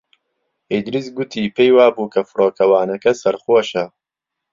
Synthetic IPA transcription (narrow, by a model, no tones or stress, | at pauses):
ed̪ɾisɡʊt̪ʰiːpʰejwaːbuːkʰɐfɨɾoːkʰɐwaːnɐkɐsɐɾχwoʃɐ